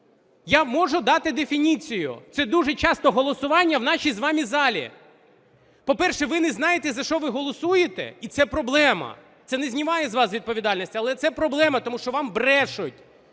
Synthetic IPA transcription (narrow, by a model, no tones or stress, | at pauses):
jamɔʒʊd̪ɑt̪ɪd̪efʲinʲit͡sʲijʊ̰t̪sɛd̪uʒɛt͡ʃɑst̪ɔɦɔlˠɔsʊʋɑnʲːɐwnɑʃʲizʋɑmʲizɑlʲḭ | pɔpɛrʃɛʋɪnɛzn̪ɑjet̪ɛzɐʃt͡ʃɔʋɪɦɔlˠɔsujet̪ɛ̰it̪sɛpɾɔblˠɛmɐ̰ | t̪sɛnɛzʲnʲimɑjɛzʋɑsʋʲid̪̚pɔʋʲid̪ɑlʲnʲisʲtʲiɐlˠɛt̪sɛpɾɔblˠɛmɐt̪ɔmuʃt͡ʃɔʋɑmbɾɛʃʊtʲ